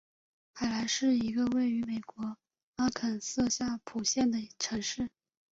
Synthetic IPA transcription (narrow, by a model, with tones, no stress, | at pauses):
xa˨˩ɪla˧˥ɪʂɻ̩˥˩i˧˥ɡə˧we˥˩ɪy˧˥me˨˩ɪkwɔ˧˥ | a˥kʰə˨˩nsɤ˥˧ɕja˥˩pʰu˨˩ɕjɛ˥˩nd̪ə˩ʈ͡ʂʰɤ˧˥ŋʂɻ̩˥˩